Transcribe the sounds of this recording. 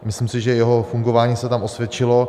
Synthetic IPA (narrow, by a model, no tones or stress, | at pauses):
mɪslɪmsɪʒɛjɛɦo̞fuŋɡo̞vaːɲiːsɛt̪amʔosvjɛt͡ʃɪlo̞